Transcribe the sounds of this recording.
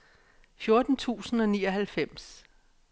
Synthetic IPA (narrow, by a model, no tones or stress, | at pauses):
fjo̝ɐd̥n̩t͡sʰṵːsn̩ɒ̽nḭːɒ̽ɦælfem̰s